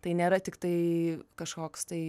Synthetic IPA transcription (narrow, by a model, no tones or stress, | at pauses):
t̪ɐɪnʲeːɾɐt̪ʲɪkt̪ɐɪkɐʃkoːkst̪ɐɪ